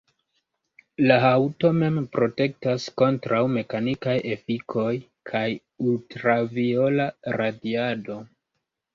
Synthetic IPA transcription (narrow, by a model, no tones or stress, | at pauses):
laɦawto̞me̞mpɾo̞te̞k̚tasko̞ntɾawme̞kanikaje̞fikʰo̞j | kʰaj | ultɾavio̞laɾadiado̞